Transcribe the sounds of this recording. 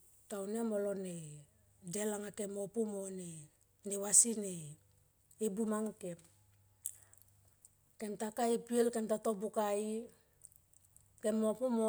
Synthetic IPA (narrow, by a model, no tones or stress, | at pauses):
tawnemolone | de̞laŋake̞mo̞pumone | newasine | ibumaŋke̞p̚ | ke̞mtakaipielkemtato̞bukai | ke̞mopumo